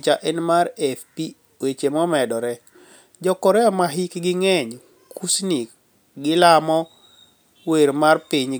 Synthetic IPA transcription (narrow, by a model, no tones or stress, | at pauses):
t͡ʃaʔɛnmaɾɛfpi | wet͡ʃemɔmɛdɔɾɛ | d͡ʒɔkɔɾɛɔmaɦikɡɪŋɛɲ | kusni | ɡɪlamɔ | weɾmarpiɲ